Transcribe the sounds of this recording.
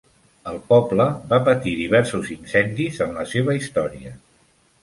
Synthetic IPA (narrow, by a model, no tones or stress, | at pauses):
əlˠpɔbləbapət̪iðiβ̞ɛɾsuzinsɛnd̪izənləseβ̞əist̪ɔɾiə